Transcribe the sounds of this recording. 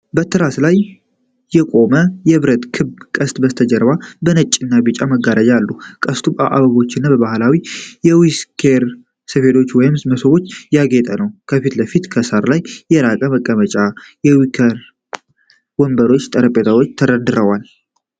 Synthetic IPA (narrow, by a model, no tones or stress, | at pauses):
bət̪ʰɨɾaslajː | ɛkʼo̞məjɛβɨɾət̪kʰɨβkʼəst̪ʼbəst̪ʰəd͡ʒəɾbabənət͡ʃʼːɪnːabɪt͡ʃʼaməɡːaɾəd͡ʒalːukʼəst̪ʰuba̰ʔa̰βəɡo̞t͡ʃːɪnːabəβahɨlawijɛwiskʰeɾ | səfe̞t̪ʰot͡ʃːwɔjɪmsməsəwo̞t͡ʃːjaɡet̪ʼənəwkʰəfit̪ləfit̪kʰəsaɾlajːɛɾakʼəməkʼːəmət͡ʃʼajɛwikʰəɾ | wɔmbəɾo̞t͡ʃːt̪ʼəɾəpʼet̪ʰawo̞t͡ʃːt̪ʰəɾəd̪ɨɾəwal